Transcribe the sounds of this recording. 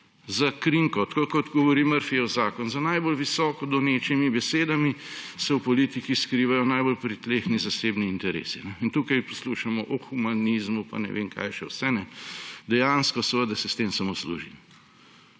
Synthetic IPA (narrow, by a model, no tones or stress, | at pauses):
zakɾiŋkɔt̪kokɔt̪ɡɔʋɔɾiːməɾfiɔzaːkɔnzanajbolʋisɔːkɔd̪ɔneːt͡ʃimibɛseːd̪amisɛwpɔliːt̪ikiskɾiːʋajɔnajbolpɾit̪leːxnizaseːbniːnt̪ɛɾḛːsinɛint̪uːkajpɔsluʃamɔʔɔxumanizmupa̰nɛ̰ʋʔḛːŋka̰jʃɛwsɛnɛd̪ɛjanskɔsɛʋəd̪asɛst̪eːmsamoslṵːʒḭnɛ